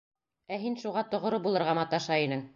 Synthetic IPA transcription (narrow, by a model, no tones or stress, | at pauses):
æɦinʃuʁɑt̪ŏʁɾobulˠɤ̆ɾʁɑmɑt̪ɑʃɑinɘŋ